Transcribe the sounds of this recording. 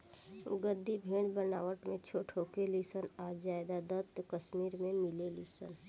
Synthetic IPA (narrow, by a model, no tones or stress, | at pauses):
ɡəd̪ʱːibʱeːɽbənaːwəʈmẽt͡ʃʰoʈʰoːkelisənad͡ʒaːed̪ad̪ət̪kəsmiːɾmẽmɪlelisə̰n